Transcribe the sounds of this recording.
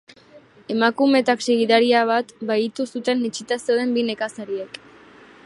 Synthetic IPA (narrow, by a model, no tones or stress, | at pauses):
e̞makume̞t̪akseɣiðaɾiaβ̞at̪bait̪usut̪e̞nːit͡ʃit̪aseoðe̞mbine̞kasaɾie̞k